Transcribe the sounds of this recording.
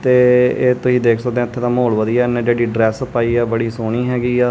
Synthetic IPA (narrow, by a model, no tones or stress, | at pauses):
t̪eːeːt̪ʊsĩːd̪eːkʰsəkd̪ẽt̪ʰːeːt̪ãːmoːlʋəd̪iːɛːneːd͡ʒeːɽiːɖɾɛːspaːiːɛːbəɽiːsoːɽ̃iːɦɛːɡiːɛː